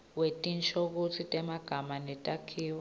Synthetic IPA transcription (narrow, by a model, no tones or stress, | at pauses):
wetʼint͡ʃʰʼok̬ut͡sʰitʼɛmaɡ̥ʱamanɛtʼakʰiːwɔ